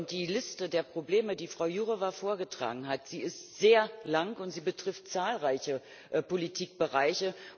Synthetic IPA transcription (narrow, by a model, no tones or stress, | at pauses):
nt̚d̥iːlɪstədeːɐpʁ̥obleːmədiːfʁ̥aʊjuːʁəvafoːɐɡətʁ̥a̰ːɡŋ̩ɦatz̥iːɪstz̥eːɐlaŋʊntz̥iːbətʁ̥ɪft̚t͡saːlʁaɪçə | politʰiːk̚b̥əʁaɪçə